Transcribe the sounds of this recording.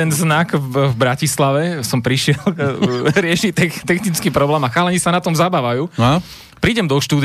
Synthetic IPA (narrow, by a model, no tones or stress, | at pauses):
ɛnznakvbɾacislaʋɛsɔmpɾiʃɪɛlɾɪɛʃit̪ɛxt̪ɛxnit͡skiːpɾɔblɛːmaxaːlɛɲisanat̪ɔmzabaːʋajuː | pɾiːɟɛmd̪ɔʃt̪uːd̪